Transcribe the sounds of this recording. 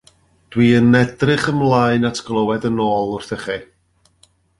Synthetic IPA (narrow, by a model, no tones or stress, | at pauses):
d̥wiːənɛdrɪχəmlˠaɨnatʰɡ̥lˠəwɛdənoːlˠʊrθəχi